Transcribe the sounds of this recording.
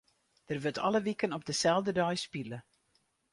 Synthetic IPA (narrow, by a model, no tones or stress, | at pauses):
d̥ərʋøtʰɑlˠəʋikənɔp̚dəsɛlˠvdədœjspilə